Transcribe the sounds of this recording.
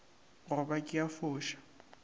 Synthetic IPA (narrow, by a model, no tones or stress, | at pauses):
rʊbakʼɪjafʊːʃḁ